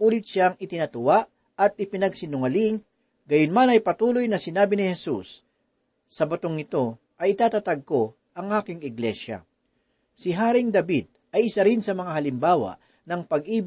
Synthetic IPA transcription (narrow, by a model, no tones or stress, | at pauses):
uːlɪt̪̚ʃaŋʔɪt̪ɪnɐt̪ʊwaʔ | ɐt̪̚ʔɪpɪnɐɡsɪnʊŋɐliŋ | ɡɐjʊnmanɐjpɐt̪uːlojnɐsɪnaːbɪnɪhɛsusː | ɐbɐt̪oŋɪt̪o̞ | ʔɐjɪt̪aːt̪at̪ɐɡ̚ko̞ | ɐŋʔaːkɪŋɪɡlɛʃɐ̰ | sɪɦaːɾɪŋd̪ɐbid̪̚ | ɐjʔɪsɐɾɪnsɐmɐŋaɦɐlɪmbaːwɐ̰ʔ | nɐŋpɐɡʔiːb